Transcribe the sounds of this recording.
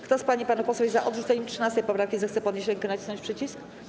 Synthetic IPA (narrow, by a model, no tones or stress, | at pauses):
kt̪ɔspaɲipanupɔswɛizaʔɔd̪ʐut̪ɛɲɛmtʂɨnast̪ɛjpɔpɾafkʲizɛxt̪sɛpɔd̪ɲeɕ̬ɾɛŋkɛnat͡ɕi̥snɔ̃ɲt͡ɕʲpʂɘt͡ɕisk